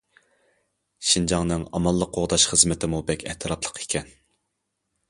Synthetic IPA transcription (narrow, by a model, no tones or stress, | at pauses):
ʃind͡ʒɑŋnɨŋɑmɑlˠːəqʰːoʁd̪ɑʃχəzmɪt̪ʰɪmubɛkʲʰɛ̰ht̪ʰɨɾɑpʰlˠə̥qʰe̥kʲʰɛn